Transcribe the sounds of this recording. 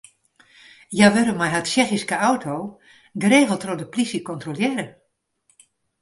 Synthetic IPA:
jaʋɪɾəmajɦatʃɛxiskəawtʰoː | ɡəreːɣəlˠtrɔdəplisikɔntroljɛɾə

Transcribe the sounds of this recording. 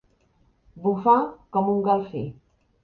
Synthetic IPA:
bufakɔmuŋɡalˠfḭ

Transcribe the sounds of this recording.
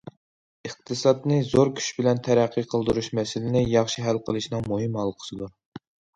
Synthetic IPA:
əχt̪ʰɨsɑd̪nɨzoɾkʲʰy̥ʃbɪlɛnt̪ʰɛɾæqʰːiqʰəlˠd̪uɾuʃmɛsɪlɪnɪjɑχʃiɦælqʰəlˠɨʃnɨŋmuɦɨmɦɑlˠːəqʰə̥sɨd̪uɾ

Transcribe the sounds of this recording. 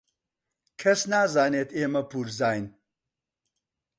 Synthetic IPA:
kʰɐsnaːzaːneːt̪ʰeːmɐpuːɾzaːjn

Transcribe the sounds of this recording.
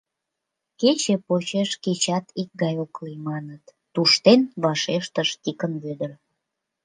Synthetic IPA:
ket͡ɕepot͡ɕeʃket͡ɕɑt̪ik̚ɡɑjoklimɑnət̪ːuʃt̪enβɑʃeʃt̪əʃt̪ikənβød̪ər

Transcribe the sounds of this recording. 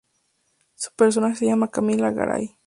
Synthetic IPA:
su̥peɾs̬onaxesejamakamilaɣa̰ɾa̰j

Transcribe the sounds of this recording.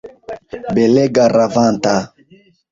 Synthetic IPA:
bɛlɛɡaɾavanta

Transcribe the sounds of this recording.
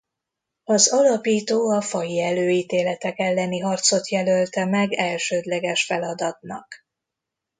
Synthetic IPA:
ɒzɒlɒpiːt̪oːɒfɒjiɛløːiːt̪eːlɛt̪ɛkɛlːɛniɦɒrt̪so̞t̪jɛlølt̪ɛmɛɡɛlʃøːd̪lɛɡɛʃfɛlɒd̪ɒt̪nɒ̰k

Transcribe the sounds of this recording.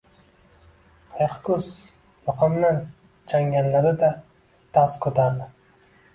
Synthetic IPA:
qʰɑjqkʊz | mʊqʰɨmnɪ | t͡ʃʰaŋɡʲanlad̪ɪd̪a | t̪ʰaskʰɵt̪ʰaɾd̪ɪ

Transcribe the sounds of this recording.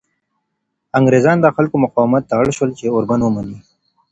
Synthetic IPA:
aŋɡɾezɑnd̪əxalkomʊqɑːwmat̪̚ːaɽʃwəlt͡ʃeoɾbanwəmani

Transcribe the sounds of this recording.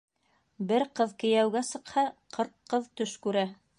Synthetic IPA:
bɘɾqɤðkɘ̆jæwɡæsɤ̆qhɑqʰɤɾqqːɤðt̪ɵʃkʉɾæ

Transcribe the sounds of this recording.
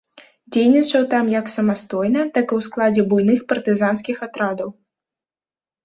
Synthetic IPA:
d͡zʲejnʲit͡ʂɐwt̪amjɐksɐmast̪ɔjnɐt̪akɨwsklˠad͡zʲɛbujn̪ɨxpɐrt̪ɨzanskʲixat̪ɾad̪ɐw

